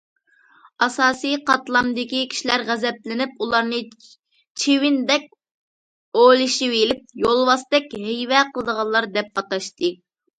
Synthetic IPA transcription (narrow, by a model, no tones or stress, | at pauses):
ɑsɑːsɨjqʰɑt̪lˠɑmd̪ɪkʲikʲʰi̥ʃilæɾʁæzɛplɪnɪpulˠɑɾnɨ | t͡ʃʰewɪnd̪ɛk̚ʲ | olˠɨʃiwelɪp̚jolˠwɑst̪ɛkʲɦejvɛqʰəlˠəd̪əʁɑnlˠɑɾd̪ɛp̚ɑt̪ɑʃt̪ɨ